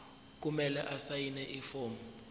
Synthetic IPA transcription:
k̬umɛlɛʔasajinɛʔifoːmbɔ

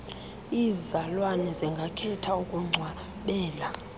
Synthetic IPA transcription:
izalwanɛzɛŋɡʱakʰɛtʰaukʼuŋ͡ǀʱwa | ɓɛːla

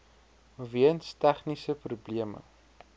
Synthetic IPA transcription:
viənstæχnisəprubliəmə̰

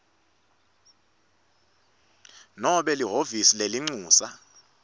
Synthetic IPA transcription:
nɔɓɛliɦovisileliŋ͡ǀuːsa

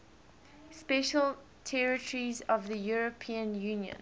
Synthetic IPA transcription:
spɛʃəlˠ | tʰɛɹɪtʰəɹizɔvðəjuɹəpʰĩə̃njʉ̃ːnjə̰̃n

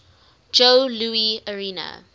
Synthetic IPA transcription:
d͡ʒoʊluːiəɹiːnə̰

